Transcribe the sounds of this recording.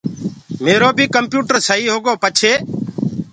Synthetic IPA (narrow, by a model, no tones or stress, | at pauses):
meːɾoːbʱiːkəmpjuːʈəɾsəɦiːɦoːɡoːpət͡ʃʰeː